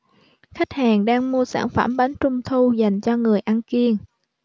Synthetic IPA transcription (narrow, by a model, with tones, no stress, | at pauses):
xa˦˥k̟̚haː˨˩ŋɗaː˧ŋmu˧əsa̰ː˧˩nfə̰˧˩mɓa˨˦nt͡ɕʊ˧ŋ͡mt̪ʰu˧za˨˩jŋ̟t͡ɕɔ˧ŋɨ˨˩əjʔa˧nki˧əŋ